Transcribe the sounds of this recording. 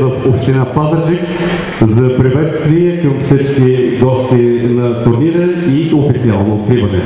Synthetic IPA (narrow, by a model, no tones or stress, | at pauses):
vəfopʃt̪inapazət͡ʃik | zɐpɾivɛt̪st̪viɛkəmfsit͡ʃk̟iɡɔst̪inɐt̪ʊɾniɾəiofit̪sialˠnoot̪̚kɾivənɛ̰